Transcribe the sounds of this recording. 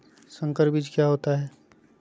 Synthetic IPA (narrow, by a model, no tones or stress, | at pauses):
sə̃ŋkəɾbid͡ʒkjaɦoːt̪aɦɛː